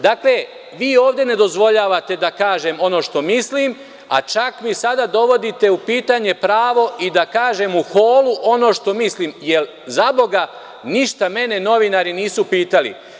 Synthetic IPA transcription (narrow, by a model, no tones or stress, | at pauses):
d̪aːkle | ʋiːo̞ːʋd̪je̞ne̞d̪o̞zʋo̞ʎaːʋat̪e̞d̪akaːʒe̞mo̞no̞ːʃt̪o̞mislim | a̰t͡ʃakmisad̪ad̪o̞ʋo̞d̪it̪e̞upiːt̪aɲe̞pɾaːʋo̞ʔid̪akaːʒe̞muxoːluʔo̞noʃt̪o̞misliːmjel | zabo̞ɡa | niʃt̪ame̞ne̞no̞ʋinaɾiniːsupiːt̪alḭ